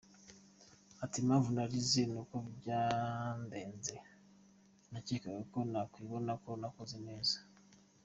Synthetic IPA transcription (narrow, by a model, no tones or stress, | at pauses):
atimaːɱvunaɾizenukobɟande̞ːnze̞ | nacikaɡeko̞nakwiβo̞nakonakozine̞ːzḁ